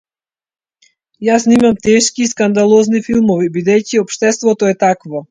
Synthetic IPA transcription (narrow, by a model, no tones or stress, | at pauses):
jasnimamt̪ɛʃkiːskand̪alˠɔznifilˠmɔvibid̪ɛjciɔpʃt̪ɛst̪vɔt̪ɔɛt̪akvɔ